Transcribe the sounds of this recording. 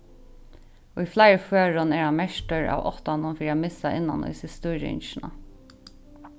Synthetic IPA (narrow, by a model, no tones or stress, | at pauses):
ʊjflajɹføːɹʊnɛːɹhanmɛʂʈəɹa̰ːwɔ̰ht̪anʊnfiːɾiamɪsaʔɪnːa̰nʊ̰jsɪst̪ʊɾɪ̰nʃɪna̰